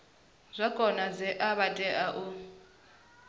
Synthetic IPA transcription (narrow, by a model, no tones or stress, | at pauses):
zʷakʼɔnazɛʔaβatʼɛʔaʔu